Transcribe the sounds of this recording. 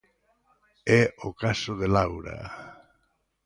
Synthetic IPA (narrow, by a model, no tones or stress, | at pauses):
ɛokasʊðelawɾɐ̰